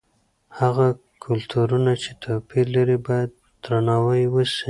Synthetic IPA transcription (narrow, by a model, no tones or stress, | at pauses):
haɣa | kʰʊlt̪uɾunat͡ʃet̪ʰopiɾlaɾibɑjad̪̥̚ːɾanɑwajwəsi